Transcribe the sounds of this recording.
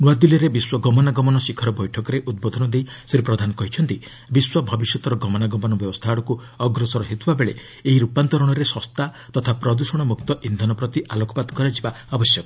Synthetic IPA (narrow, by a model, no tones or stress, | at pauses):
nuwad̪iliɾebiswɔɡɔmɔnaɡɔmɔnɔsikʰɔɾɔbɔjʈʰɔkɔɾeʔud̪̚bɔd̪ʱɔnɔd̪ej | sɾipɾɔd̪ʱanɔkɔɦit͡ʃʰɔnt̪i | biswɔbʱɔbisjɔt̪ɔɾɔɡɔmɔnaɡɔmɔnɔbjɔbɔst̪ʰaɽɔku | ɔɡɾɔsɔɾɔɦet̪ubabeɭḛ | eɦiɾupant̪ɔɾɔɽ̃ɔɾesɔst̪at̪ɔt̪ʰapɾɔd̪usɔɽ̃ɔmuk̚t̪ɔʔind̪ʱɔnɔpɾɔt̪iʔalokɔpad̪ɔkɔɾad͡ʒiba | abɔsjɔkɔ